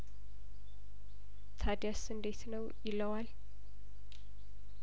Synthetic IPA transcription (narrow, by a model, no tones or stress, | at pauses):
t̪ʰad̪jasɨnd̪et̪nəwjɪlːəwal